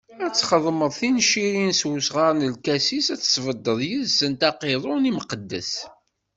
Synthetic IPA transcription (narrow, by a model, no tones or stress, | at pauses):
æt͡sːχəðˤməðˤθinʃiɾinswusʁəɾˤnəlkæsisæt͡sːə̥svəd̪ːəðˤjəðsənt̪ɑqeðˤʊniməqəd̪ːə̰s